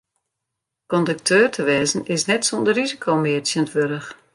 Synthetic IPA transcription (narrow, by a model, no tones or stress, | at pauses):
kɔndək̚tʰøːrtʰəʋɛːzən̩ɪsnɛtsondərizikʰoːmɪəsjənətʋøɾəx